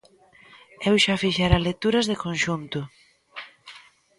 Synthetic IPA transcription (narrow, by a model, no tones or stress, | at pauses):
ewʃafiʃaɾalet̪uɾɐzðekõnʃunt̪ʊ